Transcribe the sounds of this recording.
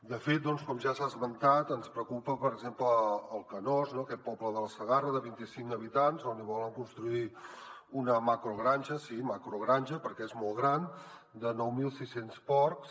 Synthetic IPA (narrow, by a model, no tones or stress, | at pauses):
d̪əfet̪̚d̪ɔnskɔmʒasazmənt̪at̪ənspɾəkupəpəɾəɡzempləːlˠkənɔznoəkɛt̪̚pɔpləðələsəɣarəðəβint̪isiŋkəβit̪anzoniβɔləŋkunst̪ɾuiunəmakɾuɣɾanʲʒəsimakɾuɣɾanʲʒəpəɾkɛezmɔlˠɣɾan | d̪ənɔwmilˠsisenspɔrks